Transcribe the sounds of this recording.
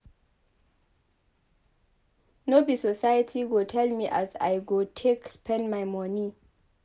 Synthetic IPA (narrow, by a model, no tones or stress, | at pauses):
nobisɔsajatʰiɡotʰɛlmiʔaza̰jɡotʰekspʰɛ̃ndmajmɔni